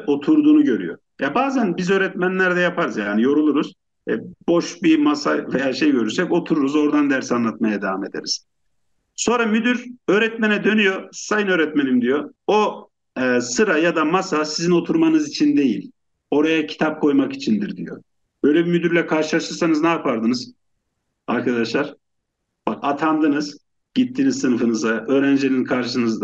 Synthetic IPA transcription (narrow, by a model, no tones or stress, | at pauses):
o̞t̪ʰuɾd̪uːnuɟø̞ɾy̰jo̞̰ | jabaːzænbizøːɾɛt̪mænlʲæɾd̪ɛjapʰaɾɯzjaːnijo̞ɾulˠuɾuz̥ | ɛ̰bo̞ʃbimasavejaːʃe̞jɟø̞ɾyɾsɛco̞t̪ʰuɾuɾuzo̞ɾd̪and̪æɾsanlˠat̪̚majad̪evame̞d̪e̞̰ɾiz̥ | so̞nɾamyd̪yɾø̞ːɾɛt̪menɛd̪ø̞nyjo̞sajɯnøːɾɛt̪me̞nimd̪ijo̞o | sɯɾajad̪amasasizinot̪ʰuɾmanɯzit͡ʃʰind̪e̞jilʲ | o̞ɾajacʰi̥t̪ʰap̚kʰo̞jmaki̥t͡ʃʰind̪iɾd̪ḭjo̰ | bø̞jlʲɛbimyd̪yɾlʲɛkʰaɾʃɯlˠaʃɯɾsanɯznɛapʰaɾd̪ɯnɯz̥ | aɾkʰad̪aʃlˠaɾ̥ | bakat̪ʰand̪ɯnɯz̥ | ɟ̥it̪ʰːiːnizsɯnɯfɯnɯzaø̞ːɾænd͡ʒeninkʰaɾʃɯnɯz